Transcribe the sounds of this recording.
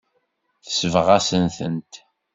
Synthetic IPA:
θə̥səvəʁæsənθənt̪

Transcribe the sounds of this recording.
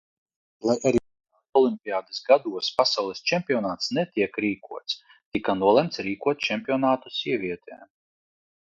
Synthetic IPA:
lˠajʔaɾiː | ɔlˠimʲpʲiaːd̪ɨsɡad̪uɔspasawlˠɛsʲt͡ʃɛmʲpʲiɔnaːt̪snɛt̪ʲiɛkɾiːkuɔt̪s | t̪ikanuɔlˠɛmt̪sɾiːkuɔt̪̚t͡ʃɛmʲpʲiɔnaːt̪usʲiɛvʲiɛt̪ʰɛ̰ː

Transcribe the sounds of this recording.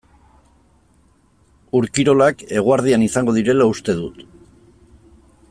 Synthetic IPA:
uɾkiɾo̞lake̞ɣ̞uaɾð̞ianisaŋɡo̞ð̞iɾe̞laust̪e̞ðut̪

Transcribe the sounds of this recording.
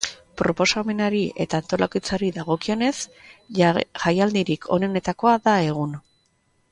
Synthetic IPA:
pɾo̞po̞same̞naɾie̞t̪aːnt̪o̞lakit͡saɾiðaɣ̞o̞kio̞ne̞s | ʝajald̪iɾikʰo̞̰ne̞ne̞t̪ako̞aðae̞ɣ̞un

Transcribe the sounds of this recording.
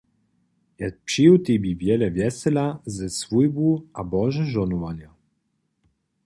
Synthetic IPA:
jat̪̚pʃiwt̪ibivjɛlɛvjɛsɛlazɛsvujbuabɔʒɛʒɔnuvanja

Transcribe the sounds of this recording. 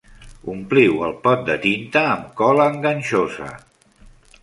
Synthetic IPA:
umpliwəlˠpɔt̪̚d̪ət̪int̪əːmkɔləːŋɡənʲʃozə̰

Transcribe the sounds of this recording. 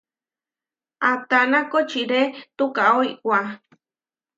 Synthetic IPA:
at̪anakot͡ʃiɾet̪ukaoiwʷa

